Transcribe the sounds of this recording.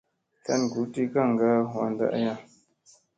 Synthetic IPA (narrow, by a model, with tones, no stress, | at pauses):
ka˦nɡu˨˦ti˦ka˦˨ŋ˨ɡa˦ɦwa̰˨nda̰˦ʔja˦